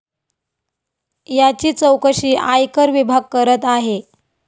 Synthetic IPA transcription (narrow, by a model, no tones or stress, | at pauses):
jat͡ɕiːt͡səwkəɕiːʔajkəɾʋibʱaɡ̚kəɾət̪aɦe